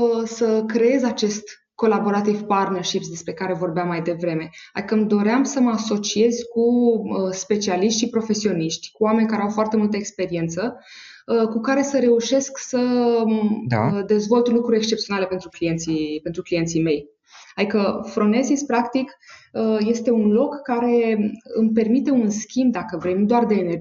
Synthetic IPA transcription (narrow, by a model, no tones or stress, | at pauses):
əsəkɾe̞e̞zʲat͡ʃe̞st̪ | ko̞labo̞ɾat̪ivpart̪nerʃipt̪sd̪e̞spɾe̞kaɾe̞vo̞rbeamːajd̪e̞vɾe̞me̞a̰d̪ikəmd̪o̞ɾeamsəməaso̞t͡ʃie̞zʲkuəspe̞t͡ʃialiʃt̪ʃipɾo̞fe̞sio̞niʃt̪ʲkuame̞nʲkaɾeawfoart̪e̞mult̪əekspe̞ɾie̞nt̪sə | kukaɾe̞səɾe̞uʃe̞sksə | d̪e̞zvo̞lt̪lukɾuɾʲekst͡ʃept̪sio̞nale̞pe̞nt̪ɾuklije̞nt̪sipe̞nt̪ɾuklije̞nt̪sime̞j | ad̪ikəfɾo̞ne̞zispɾakt̪ikəje̞st̪e̞unlo̞kːaɾe̞ɨmpe̞rmit̪e̞unskʲimb̚d̪akəvɾe̞jnud̪oard̪e̞ːne